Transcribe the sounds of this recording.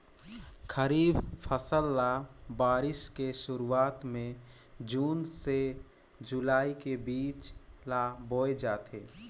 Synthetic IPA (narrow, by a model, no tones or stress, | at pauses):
kʰəɾiːbpʰəsəlːabaːɾɪʃkeʃʊɾuaːt̪mẽ | d͡ʒuːnse | d͡ʒʊlaːikebiːt͡ʃlaboːed͡ʒaːt̪eː